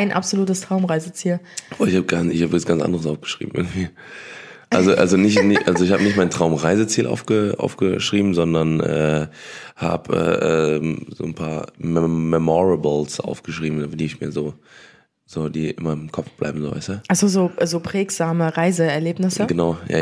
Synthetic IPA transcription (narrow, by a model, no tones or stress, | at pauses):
aɪnʔa̰pz̥oluːtəstʁ̥aʊmʁaɪzət͡siːlvoɪçhaːbəɡanɪçhaːbəvasɡant͡sʔa̰ndəʁəsʔa̰ʊfɡ̥ə̥ʃʁ̥ḭːbm̩ʔɪ̰ɐɡŋ̩tv̥iː | ʔalzoʔa̰lzonɪçtnɪçʔalzoɪçhaːbənɪçtmaɪntʁ̥aʊmʁaɪzət͡siːlʔa̰ʊfɡ̥əʔa̰ʊfɡ̥əʃʁ̥iːbm̩zɔndɐnʔɛ̰ːha̰ːbʔɛ̰ːʔɛ̰ːmzo̰ːnpʰa̰ːɐmɛmɛmɔʁɛblsʔa̰ʊfɡ̥əʃʁ̥iːbm̩dafdiːɪçmiːɐzoː | z̥oːd̥iːʔɪmɐɪmkʰɔfb̥la̰ɪbm̩zoːva̰ɪstəʔasozoːzoːpʁ̥ɛːkz̥aːməʁaɪzəɛɐleːpnɪsəɡ̥ənaʊja̰